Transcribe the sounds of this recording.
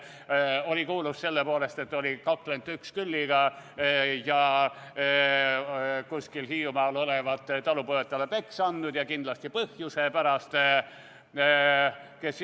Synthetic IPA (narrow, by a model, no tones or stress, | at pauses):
o̞lʲikuːlusse̞lːepo̞ːle̞st̪e̞t̪ːˑo̞lʲikɑklent̪ːykskylʲːiɡ̥ɑ | jɑ | kuskilhiːumɑːlo̞levɑt̪ˑːt̪ɑlupoet̪ːˑɑlepe̞ksɑnd̪ud̪̥jɑkind̪lɑst̪ipɤhjuse̞pæɾɑst̪ | kes